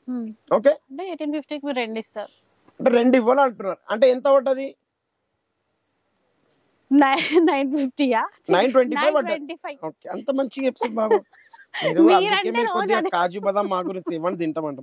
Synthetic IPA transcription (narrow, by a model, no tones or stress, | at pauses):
o̞ːk̬e̞ːɐɳʈeeːʈinfipʈiːkimiːɾɾeɳɖist̪a̰ːɾu | ɐɳʈeːɾe̞ɳɖiʋːaːluɐɳʈunːaːɾuɐ̰ɳʈeint̪ɐʋɐɖːɐd̪i | nnɐjnfip̚ʈiːaːt͡ʃnɐjnʈwʋeɳʈiːpʰɐjʋɐɖɐeijoːkeːɐnt̪ɐmɐɲt͡ʃiepi̥sɐdbaːɡu | miːɾumɐɾɐkeːmiːɾot͡ʃikaːd͡ʒubɐd̪amːaːɡuɾiɲtiʋɐɳːid̪iɳʈɐmɐɳʈɐ